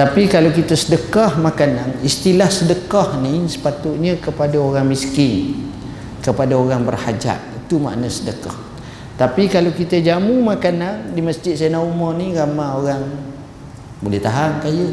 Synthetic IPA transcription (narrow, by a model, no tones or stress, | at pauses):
t̪apikalawkit̪əsədəkɔhmakananist̪ilahsədəkɔhnisə̥pat̪ʊʔ̪̚ɲəkəpadaoɾaŋmiskɪn | kəpadaoɾaŋbərhad͡ʒa̰ʔ̚it̪uma̰ʔnəsədəkɔ̰h | t̪apikalawkit̪əd͡ʒamumakanandiməsd͡ʒɪt̪̚sajnaumɔniɣamaoɾaŋ | bolɛht̪aɦankajə